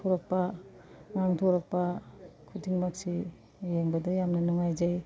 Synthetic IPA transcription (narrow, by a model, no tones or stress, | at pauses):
ɔɾak̚pa | ŋaŋtʰoɾak̚pɐkʰudiŋmak̚si | jeŋbɐdɐjamnɐnɔŋajzaj